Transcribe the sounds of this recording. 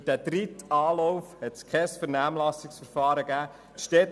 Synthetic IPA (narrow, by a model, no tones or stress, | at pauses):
d̥æd̥ɾitɑːlɔwfhɛt̪skʰχɛsfəɾnæːmlɑsɪksfəɾfɑːɾəɡæː | t̪ʃtɛt